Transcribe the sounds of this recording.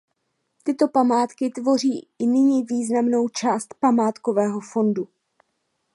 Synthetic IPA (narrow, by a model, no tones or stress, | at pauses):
t̪ɪt̪o̞pamaːt̪kɪt̪vo̞r̝iːɪnɪɲiːviːznamno̞wt͡ʃaːst̪pamaːt̪ko̞vɛːɦo̞fo̞ndu